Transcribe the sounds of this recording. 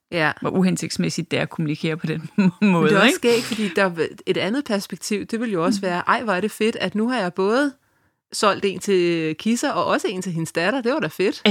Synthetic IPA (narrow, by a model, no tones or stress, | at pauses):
jæʋɒʔuɦense̝ɡ̥d̥smesid̥ːæækʰo̝munikʰe̝̰ːɐpʰɒ̽d̥enmɔ̽ːðd̥eɒsːɡ̥ḛ̥ːfɒd̥ḭːd̥ɑ̈e̝ɾ̥ænð̞̩ˠpʰæɐsb̥eɡ̥̚t͡sʰiʊ̰d̥e̝ʋe̝ljo̝ɒ̽səʋæːɐʔɑ̈ɪ̰ʋɑæɐɾ̥e̝fe̝d̥æd̥nuɦɑ̈jɑ̈ɪb̥ɔ̽ːð̞̩ˠ | sɒ̽l̰d̥e̝̰ːnt͡sʰe̝kʰisɐʔɒ̽ʔɒ̽səe̝̰ːnt͡sʰe̝ɦe̝nsd̥æɾ̥ɐd̥e̝ʋɑ̈ɾ̥ɑfe̝d̥